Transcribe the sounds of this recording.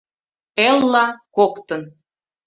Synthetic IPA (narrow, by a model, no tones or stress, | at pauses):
elːɑkokt̪ən